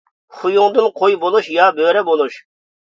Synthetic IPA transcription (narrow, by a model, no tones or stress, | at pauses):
χʊjuŋd̪ɨnqʰojbolˠuʃjɑːbøːɾɛbolˠuʃ